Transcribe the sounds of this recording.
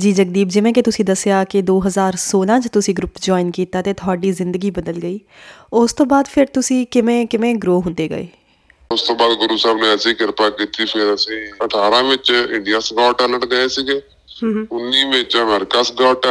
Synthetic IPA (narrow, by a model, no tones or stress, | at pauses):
d͡ʒiːd͡ʒək̚d̪iːbd͡ʒɪʋẽːkɪt̪ʊsĩːd̪əsjaːkɪd̪oːɦəzaːɾsoːlãːt͡ʃt̪ʊsĩːɡɾʊpd͡ʒɔːinkiːt̪aːt̪eːt̪ʰʊaːɖiːzɪ̃nd̪əɡiːbəd̪əlɡəiː | ʊst̪õːbaːd̪pʰɪɾt̪ʊsĩːkɪmẽːkɪmẽːɡɾoːɦʊ̃nd̪eːɡə̰ḛː | ʊst̪õːbaːd̪ɡʊɾuːsaːbnũɛsiːkɪɾpaːkit̪ːiːpʰɪɾəsĩːəʈʰaːɾãːmɪ̃t͡ʃɪɳɖijaːsɡaːʈɛːləʈɡəeːsiːɡeː | ʊnːiːmẽt͡ʃəmɛːɾɪkaːsɡaːʈɛ